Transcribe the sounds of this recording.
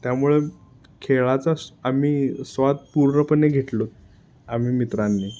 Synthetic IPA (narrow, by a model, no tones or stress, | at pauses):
t̪jamuɭe | kʰeɭat͡saamiːsʋat̪̚puɾnəpənːeɡʱeʈlot̪̚ | am̤iːmit̪ɾanːiː